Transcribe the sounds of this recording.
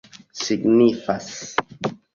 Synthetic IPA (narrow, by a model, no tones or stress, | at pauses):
siɡnifas